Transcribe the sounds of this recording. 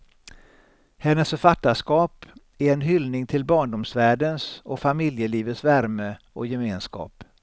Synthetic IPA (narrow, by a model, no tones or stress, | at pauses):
hɛnːəsfœɾfat̪ːaʂkɑːp | æɾɛnɦʏlnɪŋt̪ʰɪlbɑːɳɖʊmsvæːɖənsɔfamɪljəliːvət̪svæɾmə | ɔjɛmeːnskɑ̰ːp